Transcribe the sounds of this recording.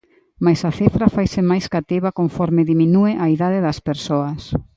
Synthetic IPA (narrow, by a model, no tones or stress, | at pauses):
majsɐθifɾɐfajsɪmajskat̪iβɐkoɱfɔɾmɪðiminueʔaiðaðɪðɐspeɾsoɐs